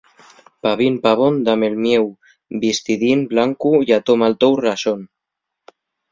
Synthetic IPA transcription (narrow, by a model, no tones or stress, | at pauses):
paβinpaβ̞ond̪amelmjew | bist̪iðinblaŋkujat̪omalt̪owrason